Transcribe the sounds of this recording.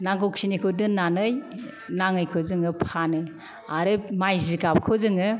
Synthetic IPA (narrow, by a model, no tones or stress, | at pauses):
naŋɡok̚sinikʰɯdɯnːanɯj | naŋɯjkʰɯzɯŋɯpʰanɯ | aɾɯmajziɡap̚kʰɯzɯŋɯ